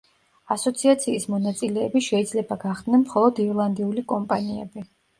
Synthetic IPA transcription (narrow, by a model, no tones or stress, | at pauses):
asɔt̪sʰiat̪sʰiːsmɔnat̪sʼilɛːbiʃɛid̪zlɛbaɡaχd̪nɛnmχɔlˠɔd̪iɾlˠand̪iulikʼɔmpʼaniɛbi